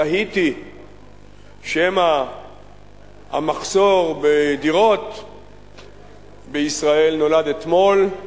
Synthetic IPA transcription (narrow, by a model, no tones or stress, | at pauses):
aɦit̪i | ʃema | a̰maχso̞ʁbed̪iʁo̞t̪ | beisʁae̞lno̞lad̪e̞t̪mo̞l